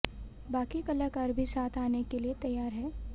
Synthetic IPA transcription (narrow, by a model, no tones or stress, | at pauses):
baːkikɐləkaɾbʱisaːt̪ʰaːnekeliet̪ɐjːaːɾɦɛː